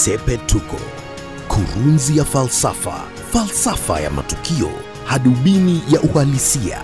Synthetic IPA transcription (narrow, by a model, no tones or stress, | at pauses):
sɛpɛtʰukɔ̰ | kʰuɾunzijafalsafa̰ | falsafa̰ja̰ma̰tukiɔ̰ | haɗuɓinijaʔuhalisia̰